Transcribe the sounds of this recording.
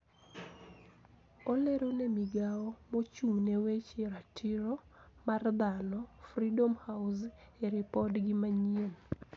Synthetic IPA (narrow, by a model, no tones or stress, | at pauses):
oleɾonemiɡaɔmot͡ʃunewet͡ʃeɾatʰɪɾɔ | mard̪anɔfridomhawseɾɪpɔdɡɪmaɲien